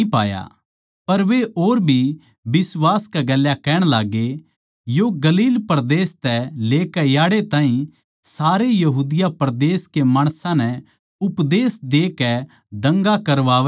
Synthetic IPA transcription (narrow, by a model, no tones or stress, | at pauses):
ipa̰ːja̰ | pɐɾʋeʔoːɾbʱi | bɪswaːskaɡɐljakɛːɽ̃laːɡe | joɡɐliːlpɾd̪eːst̪ɛleːkɛjaːɽet̪ãːɦĩ | saːɾejɐɦuːd̪ɪjapɾd̪eːskemaːɽ̃sãnɛ | ʊpd̪eːsd̪eːkɛ | d̪ɐ̃ŋɡakɐɾʋaːʋɛ